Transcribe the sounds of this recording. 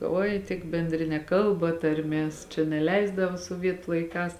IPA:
ˈoːɪ tʲɪk bʲɛnʲˈdʲrʲɪnʲɛ ˈkɐlˠbɐ tɐrʲˈmʲeːs t͡ʃʲɛ nʲɛˈlʲɛɪzdɐʋɐ suɔˈʋʲiɛtʊ lˠɐɪˈkɑːs

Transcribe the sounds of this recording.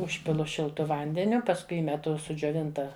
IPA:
ˈʊʃʲpʲɪlˠʊ ʃʲɪlˠˈtʊ ˈʋɐnʲdʲɛnʲʊ pɐsˈkʊɪ ˈiːmʲɛtʊ sʊd͡ʒʲoːˈʋʲɪntɐ

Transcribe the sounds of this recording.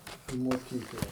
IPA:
iː moːˈkʲiːklˠɐ

